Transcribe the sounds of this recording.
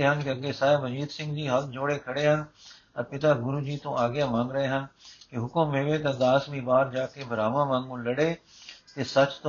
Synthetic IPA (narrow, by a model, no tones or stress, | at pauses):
eɦənkeɐɡesaːebɐd͡ʒiːt̪sɪ̃ŋɡd͡ʑiːɦɐld͡ʑoːɽekʰɐɽeɦən̆ | ɐɾpɪt̪aɡʊɾuːd͡ʑiːt̪õʔaːɡjamãːŋɡɾɐɦeɦənɪ̆kiɦʊkʊmːeːʋet̪ɐd̪aːsmibaːɾd͡ʒaːkebʱɐɾaːʋãmãːŋɡũːlɐɽe | t̪esɐt͡ʃt̪